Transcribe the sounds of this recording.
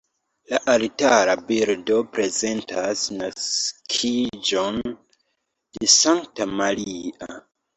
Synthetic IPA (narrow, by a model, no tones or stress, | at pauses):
laʔaɾitaɾabiɾdo̞pɾe̞ze̞ntʰasnaskʰid͡ʒon | d̥esaŋk̚tamalia